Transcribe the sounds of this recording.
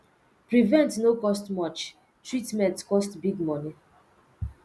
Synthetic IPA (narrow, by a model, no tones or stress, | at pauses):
pɹivɛ̃ntnokɔstmɔt͡ʃ | tʰɹitmɛ̃ntkɔstbiɡmɔni